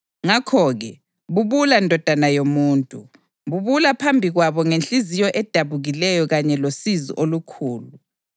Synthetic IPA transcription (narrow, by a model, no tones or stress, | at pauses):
ŋakʰɔːɣɛ | βuβulandʱɔd̥ʱanajomuːntʼu | βuβulapʰambʱiɣwaβɔŋent͡ɬʼizijɔʔɛd̥ʱaβuɣilɛjɔɣaɲɛlosizḭʔolukʰuːlu